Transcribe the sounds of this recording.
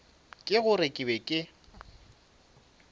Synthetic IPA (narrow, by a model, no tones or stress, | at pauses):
kʼɪɣʊrekʼɪbɛkʼɪ